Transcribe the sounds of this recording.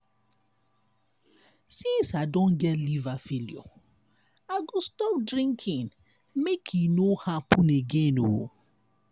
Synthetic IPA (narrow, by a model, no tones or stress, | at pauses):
sĩnsadõn̩ɡɛtlivafilḭo̰ | aɡostɔp̚dɾĩŋkʰɪ̃ŋ | mekʰinohapʊneɡeno̰